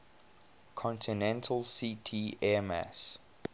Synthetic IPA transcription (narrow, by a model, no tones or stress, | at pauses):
kʰɔ̃ntʰinɛ̃ntʰəlsiːtʰiːɛmæ̰s